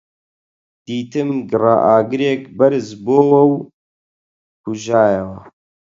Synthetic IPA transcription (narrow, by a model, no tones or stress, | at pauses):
d̪̥iːt̪ɨmɡɨrɑ̰ʔaːɡɨɾeːkbɐɾzboːwɐw | huʒaːjɛwɐ